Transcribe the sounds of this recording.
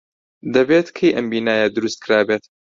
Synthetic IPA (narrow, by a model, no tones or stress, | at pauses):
d̪ɐbet̪kʰejʔɐmbiːnaːjɐd̪ɨɾust̪̚kʰɾaːbet̪